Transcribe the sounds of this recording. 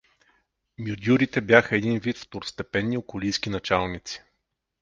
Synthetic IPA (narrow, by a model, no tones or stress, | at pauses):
mʲjʊd̪ʲjuɾit̪ɛbjaxəɛd̪invit̪ft̪oɾst̪ɛpɛnːiokʊlijsk̟inɐt͡ʃalˠnit̪si̥